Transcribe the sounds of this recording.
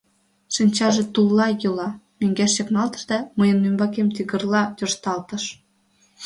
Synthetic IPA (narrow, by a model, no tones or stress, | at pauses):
ʃinʲt͡ɕɑʒet̪ulːɑjɤlɑmøŋɡæʃːeknɑlt̪ə̥̆ʃd̪ɑməjə̆nːymbɑk̬emt̪iɣə̆rlɑj̪ort̪ɑlt̪ə̆ʃ